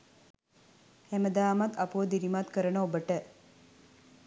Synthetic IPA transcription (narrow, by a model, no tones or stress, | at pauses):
hæməd̪aːmat̪ɐpuʋəd̪iɾimat̪kəɾənəobəʈə